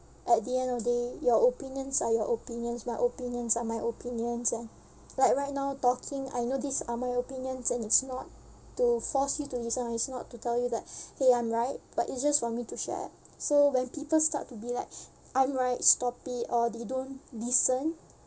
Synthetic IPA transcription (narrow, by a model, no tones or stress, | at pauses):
ʔɛt̚diɛ̃ndɔvdejɔopĩnjə̃nsajɔʔopĩnjə̃nsmajʔopĩnjə̃nsamajʔopĩnjə̃nsɛ̃n | lajkɹaɪt̚naʊtɔkʰĩŋa̰jnodisamajopĩnjə̃nsɛ̃nitsnɔtː | ufɔsjutulisə̃naitsnɔ̰tːutɛljudɛt̚heãɪ̃mɹaɪt̚b̥atḭtsd͡ʒasfɔmituʃɛ̰t̚sowɛ̃npipəlsta̰tːubilaɪk̚ | ʔãɪ̃mɹaɪt̚stɔpitɔdedõnlisə̃n